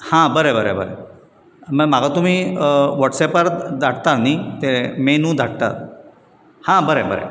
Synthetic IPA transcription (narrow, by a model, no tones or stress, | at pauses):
hãbəɾebəɾebə̰ɾḛ | məmaɡʱat̪um̤iːʋɔʈsɛpəɾd̪ʱaɽt̪anit̪emenũːd̪ʱaɽt̪a̰ | hãbəɾebəɾḛ